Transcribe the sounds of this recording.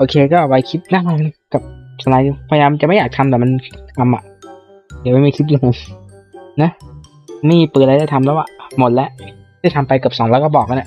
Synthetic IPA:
ʔoː˧kʰeː˧kɔː˥˩ʔa˨˩wa˧jkʰi˦˥t̪̚naː˥˩ŋmaː˧˩kka˨˩p̚sa˧laː˧˦juː˧pʰːjaː˧ma˧nt͡ɕa˨ʔma˥˩jaː˨˩t̪ʰmd̪ɔ˨˩ma˧nkʰt̪ʰa˧mʔa̰˨˩ʔ | di˨˩ma˥˩jma˥˩jkʰi˦˥ju˧ | na˦˥ | ma˥˩jmiː˧˩pɯː˨˩n̚ʔa˧jda˥˩jt̪ʰmlɛː˦˥wa̰˨˩mo˨˩t̪̚lɛ˦˥ʔ | da˥˩jt̪ʰa˧mpa˧jkɯ˨˩p̚sɔː˩˦nlɛ˦˥wkɔː˥˩bɔː˨˩k̚ka˧nʔa˨˩ʔ

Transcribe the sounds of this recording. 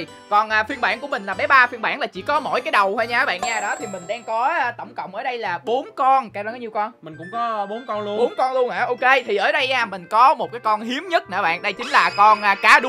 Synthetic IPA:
kɔ˨˩nʔaː˨fi˧ənɓa̰ː˧˩nku˧˩əmï˨˩ŋ̟laː˨˩ɓɛ˨˦jɓaː˧fi˧ənɓa̰ː˧˩nlaː˨˩t͡ɕḭ˧˩kɔ˨˦mo̰˧˩˨jkaː˨˦jɗə˨˩whaː˧jɲaː˧ə˧˦ɓa̰ː˧˨nɲaː˧ɗɔ˨˦t̪ʰi˨˩mï˨˩ŋ̟ɗaː˧ŋkɔː˨˦˧t̪ə˧˩wŋ͡mkə̰˧˨wŋ͡mʔəː˧˩ɗə˧jlaː˨˩ɓo˨˦nkɔ˧nka˧wa˧kːaː˨˦ɲi˨˩wkɔ˧nmï̟˨˩kʊ̰˧˥ŋ͡mkɔ˨˦ɓo˨˦nkɔ˧nlu˧ɓo˨˦nkɔ˧nlu˧ənʔaː˧˩ʔo˧ke˧t̪ʰi˨˩ʔəː˧˩ɗə˧jʔaː˧mï˨˩ŋ̟kɔ˨˦mo˨˩t̚kaː˨˦jkɔ˧nɦi˨˦əmɲə˦˥t̚na̰ː˧˩ɓa̰ː˧˨nɗə˧jt͡ɕ̪ï˨˦ŋ̟laː˨˩kɔ˧nʔaː˧˩kaː˧˩ɗʊ˨˦

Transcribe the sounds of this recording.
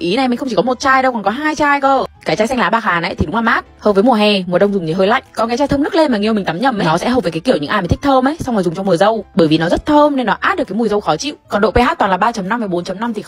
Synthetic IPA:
ʔi˨˦na˨˩jm˨ŋə˧ŋ͡mt͡ɕi˧˩kɔ˨˦mo˨˩t̚t͡ɕaː˧jɗə˧wkɔ˨˩nkɔ˨˦ɦaː˧jt͡ɕaː˧jkəː˧˩kaː˨˦˩t͡ɕaː˧jsɛ˧ŋlaː˨˦ɓaː˧˩xaː˨˩nʔə̰˨˦jt̪ʰi˨ɗʊ˨˦laː˨˩mʔaː˦˥t̚həː˨˩w̚vəː˨˦jmu˨˩əɦɛ˨˩mu˨˩əɗə˧wŋ͡mzʊ˨˩ŋ͡mt̪ʰi˧˩ɦəː˧jla̰˧˨jŋ̟kɔ˨˦nka˨˦jt͡ɕaː˧t̪ʰə˧mnɨ˦˥k̚le˧nmaː˨˩ŋi˨˩wmï̟˨˩t̪aː˨˦mɲə˧˩ma˨˩nɔ˨˦sɛ̰˧˥ɦə˨˩w̚vəː˨˦ka˨˦jki˧˩əwɲɨ̰˧˥ʔaː˧˩m˨˩t̪ʰi˥t̪ʰəː˧mʔə˨˦jswŋ͡mhɔ˨˩zʊ˨˩ŋ͡mt͡ɕɔ˧mu˨˩əzə˧wɓəː˧˩jvi˨˩nɔ˨˦zə˦˥t̚t̪ʰəː˧mne˧nːɔ˨˦ʔaː˦˥t̚ɗka˨˦mu˨˩əzə˧wxɔ˨˦t͡ɕḭ˧˨kɔ˨˩nɗo̰˧˨pe˧ɦaː˦˥t̪̚waː˨˩laː˨˩ɓaː˧t͡ɕə˨˦mna˧mvəː˨˩jɓo˨˦nt͡ɕə˨˦mna˧mt̪ʰi˨˩

